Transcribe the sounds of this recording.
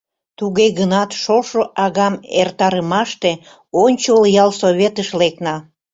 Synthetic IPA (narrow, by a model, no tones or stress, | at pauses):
t̪uɣeɣənɑt̪ʃoʃoʔɑɣɑmert̪ɑɾəmɑʃt̪e | onʲt͡ɕoljɑlsoβʲet̪əʃleknɑ